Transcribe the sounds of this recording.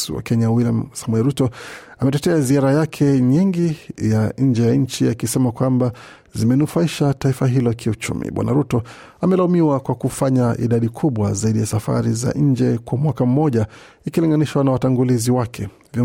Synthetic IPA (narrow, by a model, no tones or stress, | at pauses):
swa̰kɛɲawilamsamuɛɾutɔamɛtɛtɛaziaɾajakʰɛɲiŋɡijaɲ̩d͡ʒɛjaɲ̩t͡ʃiakisɛmakwamba | zimɛnufaiʃataifaɦilɔkʰiut͡ʃṵmḭɓwa̰na̰ɾutɔ | amɛlaumiwakwakufaɲaʔḭɗaɗikʰuɓwa̰zaiɗijasafa̰ɾiza̰ʔɲ̩d͡ʒɛkwamwakam̩mɔʄa | ikiliŋɡaniʃwanawataŋɡuliziwakʰɛ | vj